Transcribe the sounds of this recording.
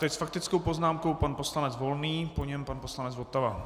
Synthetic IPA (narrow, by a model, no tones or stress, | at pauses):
t̪ɛcʲsfak̚t̪ɪt͡skowpo̞znaːmko̞wpanpo̞slanɛt͡sd͡zvo̞lniːpo̞ɲɛmpanpo̞slanɛd͡zvot̪ava